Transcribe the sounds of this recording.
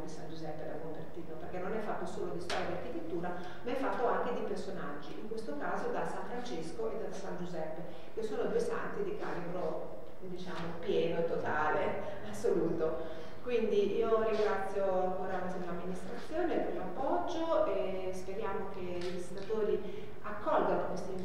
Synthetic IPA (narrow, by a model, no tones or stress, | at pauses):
d̪isand͡ʒuzɛpːed̪a̰bomvert̪iːt̪operkenːonɛfːat̪ːosoːlod̪ist̪ɔɾjad̪iarkit̪et̪ːuːɾa | maɛfːat̪ːoaŋk̟ed̪ipersonad͡ʒːiʔiŋkwest̪okaːzod̪asaɱfɾant͡ʃeskoʔed̪asand͡ʒuzɛpːe | kesːoːnod̪uːesa̰nt̪id̪ikaːlibɾo | d̪it͡ʃaːmopjɛːnot̪ot̪aːle | asːoluːt̪o | kwind̪iiːoɾiŋɡɾat̪sːjoalkoɾaneseelamːinist̪ɾat̪sːjoːnepɾilmapːɔd͡ʒːoe | speɾjaːmok̟e | id̪izit̪ːat̪oːɾi | akːɔlɡanokwest̪i